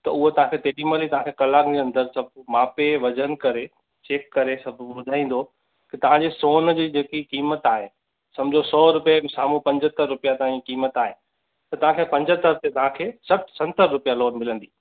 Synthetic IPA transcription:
t̪ɐʊɦot̪ɐɦãkʰet̪eːɗiməlit̪ɐʋ̤ãkʰekɐlaːɡd͡ʑeɐ̃nd̪əɾsɐbʱmaːpeʋɐd͡ʑən̆kɐɾe | t͡ɕeːkːɐɾesɐbʱbʊd̪ʱaːĩːn̆d̪o | kit̪ɐʋ̤ãd͡ʑeːsoːnd͡ʑiːd͡ʑeːkikiːmət̪aːɦe | sɐ̃md͡ʑʱosɔːɾʊpijasaːmũpɐ̃ɲd͡ʑʱət̪əɾːʊpijat̪aãikiːmət̪aːɦe | t̪ɐt̪ɐʋ̤ãkʰepɐ̃ɲd͡ʑət̪əɾt̪et̪ɐʋ̤ãkʰeːsɐʈʰsɐ̃nt̪əɾːʊpijaloːnmɪlə̃n̆d̪iː

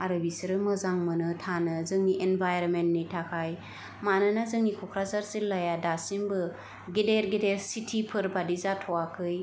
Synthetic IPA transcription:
aɾɯbisɯɾɯmɯzaŋmɯnɯtʰanɯzɯŋniʔenbajɾɔnmentnitʰakʰaj | manɯnazɯŋnikʰɔkʰɾasaɾsilajadasimbɯ | ɡedeɾɡedeɾsitʰipʰɯɾbadizatʰɔwakʰɯj

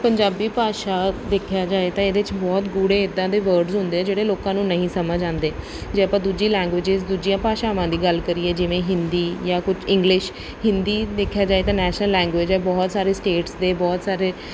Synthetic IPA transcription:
pəɲd͡ʒaːbiːpaːʃaːd̪ekʰjaːd͡ʒaːeːt̪ãːeːd̪eːɪt͡ʃbɔːt̪ɡuːɽeːɪd̪ːãːd̪eːʋəɾɖzɦʊ̃nd̪eːɛːd͡ʒeːɽeːloːkãːnũːnəɦĩːsəmaːd͡ʒãːnd̪eː | d͡ʒeːəpãːd̪uːd͡ʒiːlɛ̃ːŋɡʋɪːd͡ʒɪzd̪uːd͡ʒijãːpaːʃaːʋãːd̪iːɡəlkəɾiːɛːd͡ʒɪʋẽːɦɪnd̪iːjãːkʊt͡ʃʰɪ̃ŋɡlɪʃ | ɦɪ̃nd̪iːd̪eːkʰːjaːd͡ʒaːeːt̪ãːnɛːʃnəlːɛ̃ːŋɡʋeːd͡ʒɛːbɔːt̪saːɾeːsʈeːʈsd̪eːbɔːt̪saːɾeː

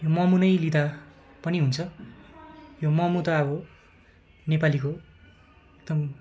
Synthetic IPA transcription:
jomʌmunʌjlit̪a | pʌniɦunt͡sʰʌ | jomʌmut̪ʌːbʌ | nepaliko | ek̚d̪ʌm

